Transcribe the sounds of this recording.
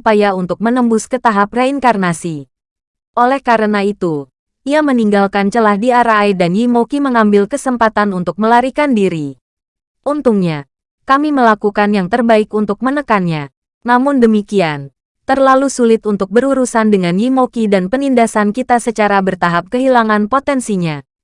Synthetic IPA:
pajaunt̪ʊk̚mənəmbʊskət̪aɦap̚raiŋkarnasi | ʔolɛhkaɾənait̪u | ʔiaməniŋɡalkant͡ʃəlahdiaɾaidanjimokiməŋambɪlkəsəmpat̪anunt̪ʊk̚məlaɾikandiɾi | ʔunt̪uŋɲa | kamiməlakukanjaŋt̪ərbaɪkunt̪ʊk̚mənəkanɲa | namʊndəmikian | t̪ərlalusulɪt̪unt̪ʊk̚bəɾuɾusandəŋanjimokidanpənindasankit̪asət͡ʃaɾabərt̪aɦap̚kəɦilaŋanpot̪ɛnsiɲa

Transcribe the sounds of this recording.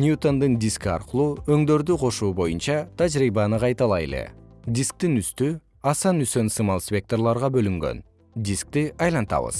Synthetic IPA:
nʲut̪o̞nd̪ɯnd̪ʲiskɑ̰ɾqɯlˠuːø̞ŋd̪ø̞ɾd̪yqʰo̞ʃuːbo̞junt͡ʃɑt̪ʰad͡ʒɾiːbɑnɯqʰɑjt̪ɑlˠɑje̞̰lḛd̪ʲisk̚t̪inyst̪y | ɑsɑnysø̞nsɨmɑlˠsʲpʲe̞k̚t̪orlˠɑɾʁɑbø̞lyŋɡø̞̰n | d̪ʲisk̚t̪iʔɑjlˠɑnt̪ɑ̰βɯ̰z̥

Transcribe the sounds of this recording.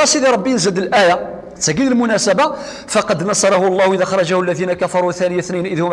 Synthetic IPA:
ɑsiðiɾˤɑbːijnzəld̪əlʔæja | t̪ːæɡid̪əlmʊnæsæba | fɑqɑd̪nɑsˤɑɾˤɑhʊɑlˤːɑhʔiðaxɑɾˤɑʒahʊlːæðinakafɑɾˤuθænəjaθninʔəðhʊm

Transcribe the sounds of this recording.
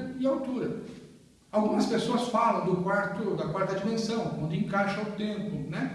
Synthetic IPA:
ɪawt̪uɾɐ | awɡũmɐspesoɐsfalɐ̃w̃d̪ʊkwaɾt̪ʊd̪ɐkwaɾt̪ɐd͡ʒimẽsɐ̃w̃kõnd̪ɪẽŋkaʃɐʊt̪ẽmplʊnɛ

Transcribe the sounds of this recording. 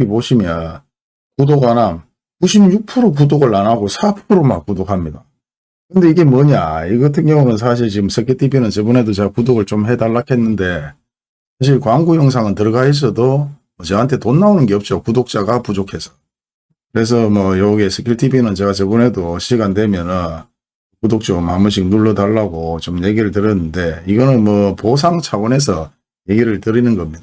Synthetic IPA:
ɡipoɕʰimjʌn | kudoɡanan | kuɕʰimjuk̚pʰɯɾok̬udoɡɯɭːanaɡosʰapʰuɾoma̰k̚kudokʰamɲida | kɯnde̞iɡe̞mwʌɲaiɡʌtʰɯŋjʌŋonɯns̬ʰaɕ̬ʰiɭt͡ɕiɡɯmsʰɯkʰiɭtʰibinɯnt͡ɕebune̞dot͡ɕe̞ɡakudoɡɯɭt͡ɕomɦedaɭːakʰe̞nːɯnde̞ | sʰaɕ̬ʰiɭkwaŋɡujʌŋs̬ʰaŋɯntɯɾʌɡaɦes̬ʰʌdomʌt͡ɕeɦantʰetonːaonɯnɡe̞ʌp̚t͡ɕ͈okudok̚t͡ɕ͈aɡapud͡ʑokʰe̞sʰʌ̥ | kɯɾe̞s̬ʰʌmʌjoɡiesʰɯkʰiɭtʰibinɯnt͡ɕe̞ɡat͡ɕebune̞doɕʰiɡandwe̞mjʌnɯn | kudok̚t͡ɕ͈omamuɕ̬ʰik̚nuɭːʌdaɭːaɡot͡ɕomje̞ɡiɾɯɭtɯɾjʌnːɯnde̞iɡʌnɯnmʌpos̬ʰaŋt͡ɕʰawʌne̞sʰʌ | je̞ɡiɾɯɭtɯɾinɯnɡʌmɲid̥a

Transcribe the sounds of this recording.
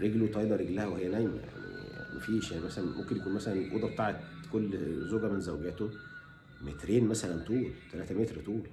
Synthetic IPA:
ɾeɡlwet̪ɑjlɑɾeɡlæhæwehejːænæjmæ̰ja̰ʕnḭja̰ʕnḭfiːʃæmæsælænmo̰mkenjækuːnmæsælænʔo̰d̪ˤɑb̚t̪aʕet̪kolːzoɡæmenzæwɡæːt̪o | met̪ɾeːnmæsælænt̪uːlt̪ælæːt̪æmet̪ɾt̪uːl

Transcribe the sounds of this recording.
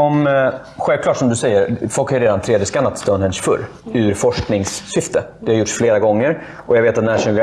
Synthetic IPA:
ɔm | ɧɛlvklɑːʈsɔmd̪ɵsɛjːəɾfɔlkhajʏɾeːd̪ant̪ʰɾeːd̪jəskanːat̪ʰst̪ɔnhɛnʂfɵ̰ɾ | ʉɾfɔʂknɪŋsːʏft̪ʰəd̪ɛhaɾjʊʈʂfleːɾaɡɔŋːəɾ | ʔɔjaveːt̪at̪næʂɵŋɡ

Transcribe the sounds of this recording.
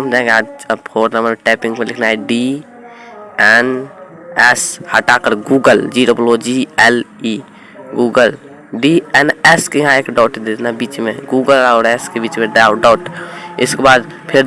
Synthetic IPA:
md̪ãɡeaːd͡ʒpʰoːɾnəməɾmeʈɛpĩŋɡpelɪkʰnaɦɛɖi | ɛn | ɛshəʈakəɾɡuɡəld͡ʒiɾoplod͡ʒiɛli | ɡuːɡəl | ɖiɛnɛskeɦãekɖaʊʈd̪et̪ʰnabiːt͡ʃmeɡuɡəlaʊɾɛskebiːt͡ʃmeɖaɖaʊʈɪ̰skebaːd̪ | pʰɪɾ

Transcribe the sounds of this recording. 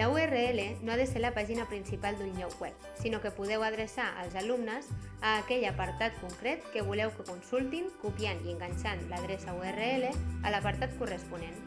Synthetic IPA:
lauereelenoaðəseɾləpaʒinapɾinsipalˠd̪unːɔwwɛp̚ | sinokəpuð̞ɛwaðɾəsaʔə̰lˠzalumnəzaːkɛʎapaɾt̪at̪̚kuŋkɾɛt̪kəβ̞ulɛwkəkunsulˠt̪inkupjaniəŋɡaɲʲsanlaðɾɛsauereeleəlapaɾt̪at̪kurəspunen

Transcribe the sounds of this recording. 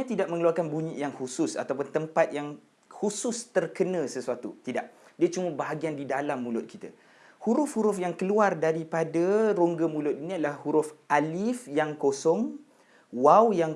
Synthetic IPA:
ãt̪idaʔ̚mə̃ŋəluarkanbuɲiʔjaŋhusʊsa̰t̪awpʊnt̪əmpat̪̚jaŋ | husʊst̪ərkənə̃səsuat̪ṵt̪idaʔ̚diat͡ʃuməbaɦaɡiandidalamːũlʊt̪̚kʰit̪a̰ | huɾʊfhuɾʊfjaŋkəluardaɾipadaɾoŋɡəmũlʊt̪̚iniadəlahhuɾʊfʔalifjaŋkosɔŋ | wawjaŋ

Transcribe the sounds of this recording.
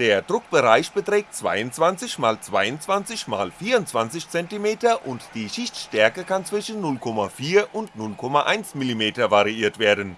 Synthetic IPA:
d̥eːɐdʁʊk̚b̥əʁaɪçb̥ətʁ̥ɛːk̚tt͡sv̥a̰ɪʊntt͡sv̥ant͡sɪçmaːlt͡sv̥aɪʊntt͡sv̥ant͡sɪçma̰ːlfiːɐʊntt͡sv̥ant͡sɪçt͡sɛntimeːtɐʔʊntd̥iːʃɪçtʃtɛɐkəkant͡sv̥ɪʃn̩ːʊlkʰɔmafiːɐʔʊntnʊlkʰɔmaʔa̰ɪnt͡smilimeːtɐvaʁiiːɐtv̥eːɐdən̩

